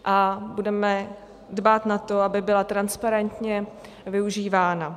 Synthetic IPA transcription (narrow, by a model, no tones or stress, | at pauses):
ʔabudɛmɛ | dbaːt̪nat̪o̞abɪbɪlat̪ɾanspaɾɛnt̪ɲɛ | vɪuʒiːvaːna